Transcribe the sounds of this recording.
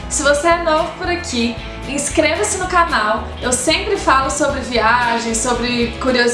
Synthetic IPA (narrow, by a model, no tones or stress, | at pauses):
sɪvoseɛnovʊpʊɾakʰi | ĩskɾevɐsɪnʊkanaw | ewsẽmpɾɪfalʊsobɾɪviaʒẽj̃sobɾɪkuɾioz